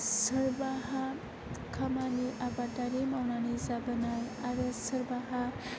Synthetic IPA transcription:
sɯɾbaɦa | kʰamaniʔabadaɾemawnanizabɯnaɾaɾɯsɯɾbaɦa

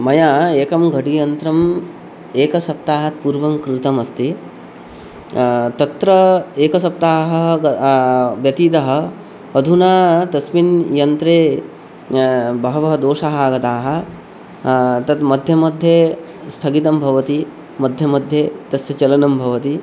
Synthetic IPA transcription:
mɐjaːeːkɐmɡʱɐʈijɐnt̪ɾɐm | eːkɐsɐp̚t̪aːɦɐt̪̚puɾʋɐmkɾɪt̪ɐmɐst̪i | t̪ɐt̪ɾɐeːkɐsɐp̚t̪aːɦɐ̆ | ʋjɐt̪iːt̪ɐɦɐ̆ | ɐd̪ʱunaːt̪ɐsminjɐnt̪ɾeː | bʱɐɦɐʋɐɦɐd̪oːʂaːɦɐaːɡɐt̪aːɦɐ̆ | t̪ɐt̪mɐd̪ʱjɐmɐd̪ʱjeː | st̪ʰɐɡit̪ɐmbʱɐʋɐt̪i | mɐd̪ʱjɐmɐd̪ʱjeːt̪ɐsjɐt͡ʃɐlɐnɐmbʱɐʋɐt̪i

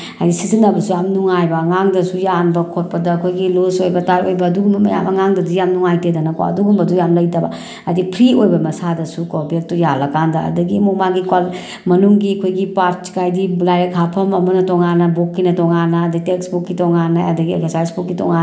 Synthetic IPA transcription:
ajdisizinɐbɐsujamnuŋajbɐŋaŋdɐsujanbɐkʰot̚pɐdɐkʰojɡilosojbɐtaɾojbɐːduɡumbɐmɐja̰bɐŋaŋdɐdujamnuŋajtedɐnɐko̰ɐ̰duɡumbɐdujamlɐjdɐba | adipʰɾiojbɐmɐsadɐsukobek̚tujalɐkandɐ̰ːdɐɡimomaɡikwal | mɐnuŋɡiɐkʰojɡipaɾt͡ʃkajdilajɾekʰapʰɐmɐmɐnɐtɔŋanɐbokːinɐtɔŋanːɐːdɐɡiteksbukːitɔŋanːaɐdɐɡiḛkesajsbukːitɔ̰ŋa

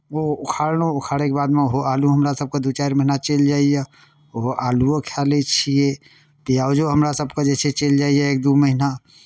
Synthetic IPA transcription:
oʊkʰaɾnoʊkʰaɽekebad̪meoɦoaluɦəmɾasəb̚kad̪ut͡ʃaɾməɦinat͡ʃeld͡ʒaːije | oɦoʔaːluokʰalet͡ʃʰie | t̪ijaʊd͡ʒoɦəmɾasəbkad͡ʒɛset͡ʃeld͡ʒaːijeek̚d̪uməɦina

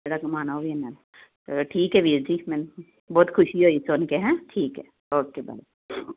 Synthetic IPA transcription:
eɽakɐmaːnaobiɛnan | ʈʰiːkɦɛʋiːɾd͡ʒimɛn | bɔːt̪kʰʊʃiɦoisonkeɦɛ̃ʈʰiːkɦɛ | ɔːkebɐ̰ɾe

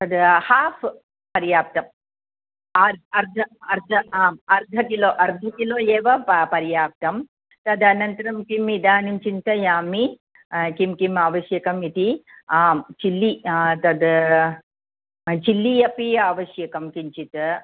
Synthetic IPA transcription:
t̪ɐd̪haːfʰ | pɐɾjaːp̚t̪ɐm | ɐɾɐɾd̪ʱɐɐɾd̪ʱɐaːmɐɾd̪ʱɐkiloːʔɐɾd̪ʱɐkiloːjeːʋɐpɐpɐɾjaːp̚t̪ɐm | t̪ɐd̪ɐnɐnt̪ɐɾɐmkimid̪aːniɲt͡ʃint̪ɐjaːmi | kimkimaːʋɐʃjɐkɐmit̪i | aːmt͡ʃilːit̪ɐd̪ | t͡ʃilːijɐpiaːʋɐʃjɐkɐmkiɲt͡ʃit̪

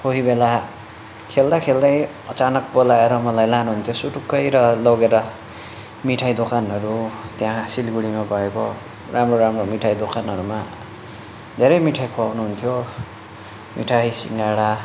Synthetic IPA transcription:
oɦibela | kʰeld̪akʰeld̪ʌj | ʌt͡sanʌk̚bolaeɾʌmʌlajlanuɦunt̪ʰjosuʈukːʌjɾʌlʌɡeɾʌ | miʈʰajd̪okʰanɦʌɾut̪jãsilɡuɽimabʌeko | ramroɾamromiʈʰajd̪okʰanʌɾuma | d̪ʱeɾʌjmiʈʰajkʰuawnuɦunt̪ʰjo | mḭʈʰajsiŋɡaɽa

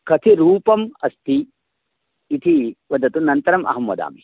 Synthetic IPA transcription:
kɐt̪ʰiɾuːpɐmɐst̪i | t̪ʰiʋɐd̪ɐt̪unɐnt̪ɐɾɐmʔɐ̰ɦɐmʋɐ̰d̪a̰ːmi

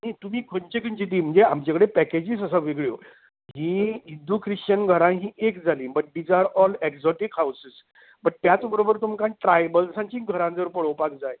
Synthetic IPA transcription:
ñit̪um̤iːkʰoɲt͡ɕekʰəɲt͡ɕit̪̬iːm̤əɳd͡zeamt͡ɕakəɽepɛked͡ʑiːsəsaʋiɡɭjo | ɦĩːind̪ʱuːkʰɾiʂt͡ɕənɡʱəɾãɦĩːʔekd͡zʱaliːbəʈ̚ɖid͡zaɾɔlɛksɔʈikɦawsis | bəʈ̚t̪jat͡sbəɾobəɾt̪um̤kanʈɾajbəlsãɲt͡ɕĩːɡʱəɾãnd͡zəɾpəɽəʋpak̚d͡zaj

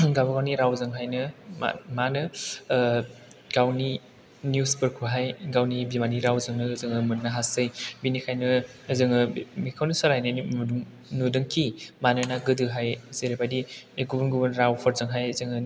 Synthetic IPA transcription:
ɡawbaɡawniɾawzɯŋɦajnɯma̰manɯ | ɡ̥awni | njusbɯɾkʰuɦajɡawnibimaniɾawzɯŋnɯzɯŋɯmunːaɦasɯjbinikʰajnɯː | zɯŋɯmikʰawnisaɾajnɯmuduŋ | nudɯŋkʰimanɯnaɡɯdɯɦajzeɾebadieɡubunɡubɯnɾawpʰɔɾzɯŋɦajzɯŋɯ

